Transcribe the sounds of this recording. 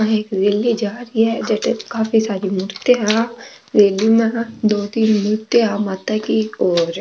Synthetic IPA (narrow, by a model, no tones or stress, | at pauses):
eːkɾeːlid͡ʒaːɾiɦɛd͡ʒɐʈekaːfisaːɾimʊɾt̪eɦã | ɾeːlimẽd̪oːt̪iːnmʊɾt̪eɦamaːt̪akiɔːɾ